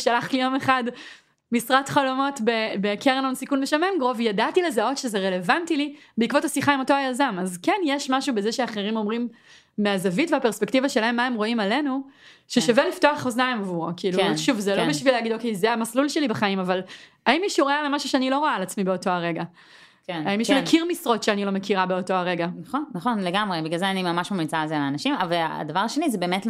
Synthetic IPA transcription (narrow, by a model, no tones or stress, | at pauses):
ʃalaχlijo̞meχad | misʁatχalomo̞tbebekʰeʁnonsikunbeʃamemɡʁo̞vjadatilezao̞tʃezeʁele̞vantilibeikvo̞thasiχaimo̞to̞ajazamazkenjeʃmaʃube̞zeʃeaχeʁimo̞mʁimː | eazavitveapeʁspektivaʃe̞laɦe̞mːaemʁo̞imale̞nu | ʃeʃavelifto̞aχoznaemavuʁakiiːluʃuvzelobiʃvileaɡido̞kejzeamaslulʃelibaχaimaval | aimiʃuʁoalemaʃuʃeanilo̞ʁoaːlat͡smibeo̞to̞aʁe̞ɡa | keaimiʃumekʰiʁmisʁo̞tʃeanilo̞mekʰiʁabeo̞to̞aʁe̞ɡanaχonːɐχonleɡamʁebiɡlalzeanimamaʃmamit͡saalzelaːnaʃimavalaa̰davaʁaʃenizebeemet